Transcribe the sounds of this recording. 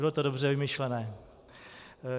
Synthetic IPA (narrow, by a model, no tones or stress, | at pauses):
ɪlot̪odobr̝ɛvɪmɪʃlɛnɛː